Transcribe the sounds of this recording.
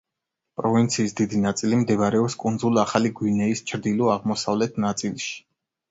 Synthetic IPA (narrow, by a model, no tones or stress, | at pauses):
pʼɾɔvint̪sʰiːsd̪id̪inat̪sʼilimd̪ɛvaɾɛɔpskʼund̪zulˠaχaliɡwinɛist͡ʃʰɾd̪ilɔaʁmɔsavlɛt̪ʰnat̪sʼilˠʃi̥